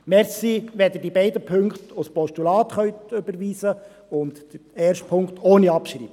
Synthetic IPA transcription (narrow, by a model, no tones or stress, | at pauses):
mɛɾsiʋɛd̪ədibɛɪdəpʰɵŋkχtospɔʃtulɑːt̪χœɥt̪ʏbəɾʋiːsə | ʊntd̥əɾeːɾʃtpʰʊŋkt̪ʰoːniɑpʃrḭːb̥ə